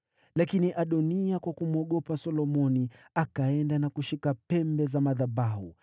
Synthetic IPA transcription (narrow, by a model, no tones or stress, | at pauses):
lakiniʔaɗɔniakwakum̩ɔɠɔpasɔlɔmɔni | akaɛndanakuʃikapɛmbɛzamaðaɓahu